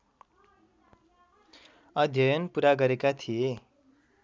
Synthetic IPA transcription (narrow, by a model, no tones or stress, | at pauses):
ʌd̪ʱjʌjʌnpuɾaɡʌɾekat̪ʰije